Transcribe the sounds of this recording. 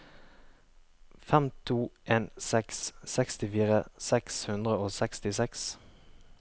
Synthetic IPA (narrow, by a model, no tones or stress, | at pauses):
fɛmt̪ʰuːʔeːnsɛkssɛkst̪ɪfiːʁəsɛkshʉnd̪ʁəoːsɛkst̪ɪsɛks